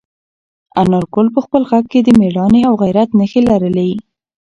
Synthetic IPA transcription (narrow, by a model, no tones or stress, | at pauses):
anaɾkolpəxpəlɣaɡ̚ked̪əmeɽɑneawɣajɾat̪nəxelaɾəlawi